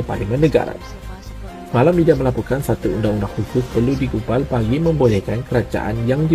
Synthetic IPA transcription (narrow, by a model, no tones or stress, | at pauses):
əpa̰limanːəɡa̰ɾa̰ | malamidaməlapukansat̪uundaŋunakhukʊmpərludiɡubalbaɡimə̃mbolɛkankəɾad͡ʒa̰ʔa̰njaŋdi